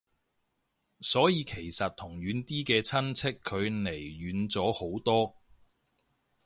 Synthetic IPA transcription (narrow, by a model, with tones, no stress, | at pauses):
sɔː˨˥jiː˨˧kʰe˨˩jsɐ˨t̚t̪ʰʊ˨˩ŋɥyː˨˧nt̪iː˥kɛː˧t͡sʰɐ˥nt͡sʰɪ˥kʰːɵ˨˧ɥne˨˩jɥyː˨˧˥nt͡sɔː˨˥ho˨˥wt̪ɔː˥